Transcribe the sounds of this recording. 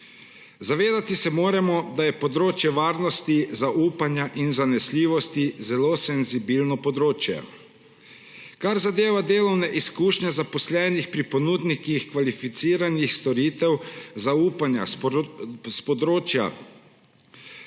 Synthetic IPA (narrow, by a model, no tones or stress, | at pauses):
zaʋeːd̪at̪isɛmoːɾɛmɔd̪ajɛpɔd̪ɾoːt͡ʃjɛʋaːɾnɔst̪izaʔuːpanjaʔinzanɛsliːʋɔst̪izɛlosɛnzibilnɔpɔd̪ɾoːt͡ʃjɛ̰ | kaɾzad̪eːʋad̪eːlɔwnɛʔiskuːʃɲɛzapɔslɛːnixpɾipɔnuːd̪nikixkʋalifit̪siːɾanixst̪ɔɾiːt̪ɛwzauːpanja̰ | spɔd̪ɾoːt͡ʃja̰